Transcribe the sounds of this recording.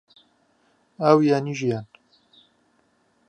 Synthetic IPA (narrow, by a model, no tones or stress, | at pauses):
awjaːniʒijaːn